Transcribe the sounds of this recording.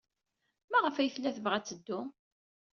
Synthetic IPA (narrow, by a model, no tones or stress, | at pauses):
mæʁəfæjəθlːæθəvʁæt͡sːəd̪ːʊ